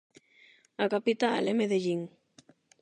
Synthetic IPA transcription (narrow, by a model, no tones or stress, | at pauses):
akapit̪aa̰lemeðeʎiŋ